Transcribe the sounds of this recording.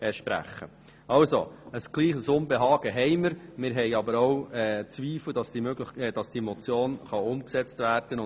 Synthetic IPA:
ɛʃpɾæ̰χːə̰ | ɑlso̰əsɡ̥liːχəsʊmbɛɦɑːɡ̥əɦɛɪməɾmɪːɾɦɛɪɑbəɾoʊɛːt͡sʋiːfləd̥ɑsd̥imøɡləχd̥ɑsd̥iɛmɔt͡sjoːnχɑʊmksɛt͡stvæːɾd̥ənʊ

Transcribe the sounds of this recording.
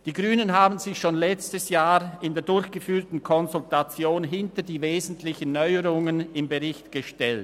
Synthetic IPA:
d̥iːɡʁyːnənɦaːbn̩zɪçʃoːnlɛt͡stəsjaːʁɪndeːɐdʊɾçɡ̥əfyːɐtn̩kʰɔnzʊltat͡sjoːnɦɪntɐdiːveːzn̩tʰlɪçənːɔʏəʁʊŋənɪmbəʁɪçtɡ̥əʃtɛlt

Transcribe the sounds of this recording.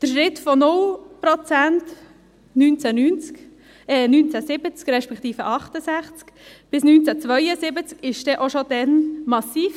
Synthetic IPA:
d̥əʃɾɪt̪fɔnʊlpɾɔt͡sænt | nyːnt͡sænyːnt͡sk | ɛnyːnt͡sæsɪbət͡skɾɛʃpɛkt̪iːfəʔɑχtəsæχt͡skb̥ɪsnyːnt͡sæt͡sʋœʏəsɪbət͡skɪʃd̥ɛʔoʃod̥ɛnmɑsiːf

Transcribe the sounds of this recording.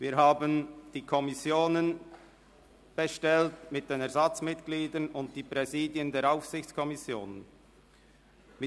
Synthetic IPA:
viːɾɦaːbənd̥iːkʰɔmɪsjoːnən | b̥ɛʃtɛltmɪt̚d̥eːnɛɐɾzɑt͡smɪtɡ̥liːdənʊnt̚d̥iːpʁɛziːdjəndeːɾaʊfsɪçt͡skʰɔmɪsjoːn | mɪ

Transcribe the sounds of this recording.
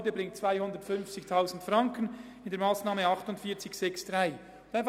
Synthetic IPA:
dəbɾɪŋt̚t͡sv̥aɪhʊndətfʏnft͡sɪçtʰaʊzn̩tfɾɑŋkən | ɪndeɐmaːsnaːməɑχtʊntfiːɐt͡sɪçsɛksd̥ʁaɪ | d̥anf

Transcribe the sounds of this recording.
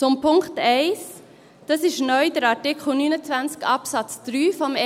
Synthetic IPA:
t͡sʊmpʰʊŋktɛɪs | d̥ɑsɪʃnœʏd̥əɾɑɹtɪkχl̩nyːnət͡sʋænt͡skɑpsɑt͡sd̪̥ɾyːfɔmɛ

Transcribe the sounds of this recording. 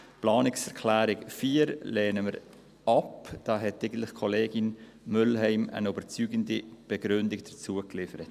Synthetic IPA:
plɑːnɪksɛʁkʰlæːɾɪkfiːɾleːnəməɾ | ɑpd̥ɑːɦɛtæɪɡən̩tlɪχkʰɔleːɡin | mʏlɦɛɪmə̰nyb̥əɾt͡syːɡəndib̥ɛɡ̥ɾʏndɪkd̥ət͡suəklɪfəɾət

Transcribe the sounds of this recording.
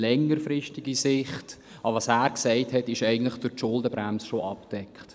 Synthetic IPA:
lɛŋːəɾfɾɪʃtiɡisɪχt | ɑʋɑːsæːɾksɛɪthɛtɪʃæɪɡən̩tlɪχd̥ʊɾtʃʊldəbɾæmsəʃoʔɑpd̥ɛkχt

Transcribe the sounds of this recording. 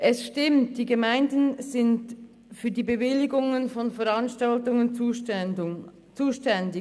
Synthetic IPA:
ʔɛsʃtɪmt̚d̥iːɡəmaɪndənzɪnt | fyːɐdiːbəvɪlɪɡʊŋənfɔnfɛʁanʃtaltʊŋənː | t͡suːʃtɛndɪ

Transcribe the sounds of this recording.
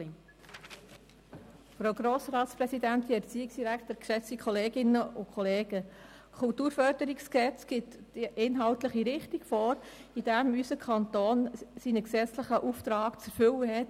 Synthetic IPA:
fɾowɡɾɔːsɾɑːt̪spɾɛsidænt̪iɛɾt͡siːɪksd̥iɾækt̪əɾkʃɛt͡sikʰχɔleːɡɪnəʔʊkʰχɔleːɡ̥ə | kʰʊltuːɾfœɾd̥əɾiksksɛt͡sɡ̥ɪt̪ː | iʔɪnɦɑltləχiɾɪχtiɡ̥fɔːɾid̥̪æmysəkʰɑnt̪oːnsinəksɛt͡sləχəʔuft̪ɾɑːkt͡sɛɾfʏwəɦɛt

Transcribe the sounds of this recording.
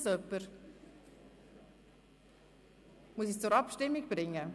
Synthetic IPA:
sœpːəɾ | muəsist͡sʊɾɑpʃtɪmːiɡb̥ɾɪŋːə

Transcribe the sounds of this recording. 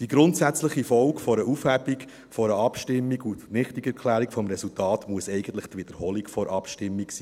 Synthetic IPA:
d̥iɡɾʊntsæt͡sləχifɔlkfɔɾəufhæbik | fɔɾəɑpʃtɪmːiɡutnɪχtiɡɛɾkʰlæːɾikfɔmɾɛsultɑːtmuəsɛɪɡ̥ən̩t̪ləχt̪ʋɪd̥̪əɾhoːlikfɔɾʔɑpʃtɪmːiksiː

